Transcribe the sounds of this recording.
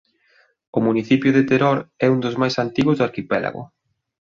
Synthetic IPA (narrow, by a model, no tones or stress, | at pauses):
ʊmuniθipjʊðet̪eɾoɾɛund̪ʊzmajsant̪iɣʊzðaɾkipɛla̰ɣʊ̰